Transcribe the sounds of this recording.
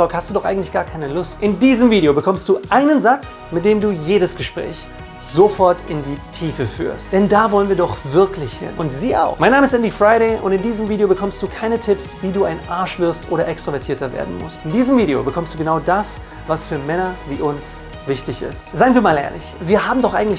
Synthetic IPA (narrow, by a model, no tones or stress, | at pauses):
ɔkhastd̥uːdɔχxʔaɪɡŋ̩tlɪçɡ̥aːɐkʰaɪnəlʊstʔɪndiːzəmviːɾeobəkʰɔmst̚d̥uːʔaɪnənzat͡s | mɪt̚d̥eːmduːjeːɾəsɡ̥əʃpʁ̥ɛ̰ːç | z̥ofɔɐtʰɪndiːtʰiːfəfy̰ːɐstd̥ɛndaːvɔlənviːɐdɔχvɪɐklɪçhɪ̰nʔʊntz̥iːʔa̰ʊxmaɪnːaːməɪst̚ʔɛndifʁ̥aɪɾɛɪʔʊ̰ntɪndiːzəmviːɾejobəkʰɔmstd̥uːkʰaɪnətʰɪpsviːduːaɪnʔaɐʃv̥ɪɐstʔoːɾɐʔɛkstʁ̥ovɛɐtʰiːɐtɐvḛːɐdn̩mʊ̰stɪndiːzəmviːɾeo̰bəkʰɔmstd̥uɡənaʊdas | vasfyːɐmɛnɐviːʔʊns | v̥ɪçtɪçɪ̰stzaɪnviːɐmaːlʔḛːɐlɪ̰çviːɐɦaːbm̩dɔχʔaɪɡŋ̩tlɪ